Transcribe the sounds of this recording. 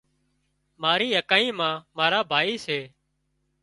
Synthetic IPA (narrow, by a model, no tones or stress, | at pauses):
maːɾiːjəkaːiːmãːmaːɾaːbʱaːiːseː